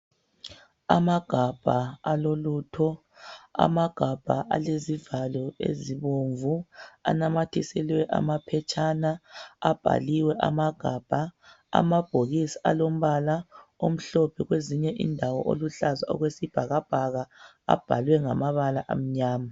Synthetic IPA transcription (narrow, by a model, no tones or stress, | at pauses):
a̰maɡ̥ʱab̥ʱaalolutʰɔ | a̰maɡ̥ʱab̥ʱaʔa̰lezivalɔḛziβoɱvua̰namatʰisɛlwɛʔa̰mapʰɛt͡ʃʼanaab̥ʱa̰liwɛʔamaɡ̥ʱab̥ʱa | a̰mab̥ʱoɣisḁalom̩βalaom̩ɬɔpʰɛɣweziɲɛʔḭndʱawɔʔo̰luɬazaɔ̰ɣwesib̥ʱaɣab̥ʱaɣa | a̰b̥ʱalwɛŋamaβalaʔa̰m̩ɲaːma